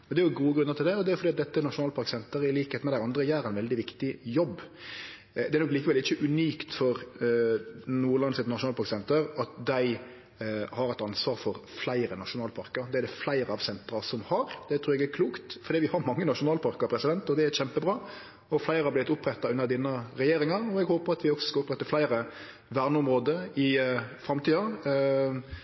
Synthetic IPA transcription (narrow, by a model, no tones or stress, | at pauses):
ɔd̪ɛæɾjʊɡuːəɡɾʉnːəɾt̪ʰɪld̪ɛɔd̪ɛæɾʊfɔɾdiːɑt̪d̪ɛt̪ːənɑʃʊnɑːlpʰɑɾksɛnt̪əɾɪliːkəheːt̪mɛd̪æɪɑnd̪ɾəjæːɾæɪnʋɛld̪ɪʋɪkt̪ɪjɔbː | d̪ɛæɾnɔkliːkəʋɛlɪçːəʔʉnyːkt̪fɔɾ | nuːlɑnsɛt̪nɑʃʊnɑːlpʰɑɾksɛnt̪əɾɑt̪d̪æɪ | hɑɾɛɪt̪ɑnsʋɑːɾfɔɾflæɪɾənɑʂʊnɑːlpʰɑɾkəɾd̪ɛæɾd̪ɛflæɪɾəɑʋsɛnt̪ɾɑsɔmhɑɾd̪̥ɛt̪ʰɾʉːɾjɛɡæɾkʰluːkt̪fɔɾd̪iːʋɪhɑɾmɑŋːənɑʂʊnɑːlpʰɑɾkəɾpʰɾɛsɪd̪ɛnt̪ɔd̪ɛæɕɛmpəbɾɑː | ɔflæɪɾəhɑblɪt̪ʊpɾɛt̪ːɑʉnːəɾd̪inːəɾɛjeːɾɪŋɑɾɔɛɡhoːpəɾɑt̪ʋɪɔksɔ̥skɑʊpɾɛt̪ːəflæɪɾə | ʋæːɾnəɔmɾoːd̪əɪfɾɑmt̪ʰiːɑ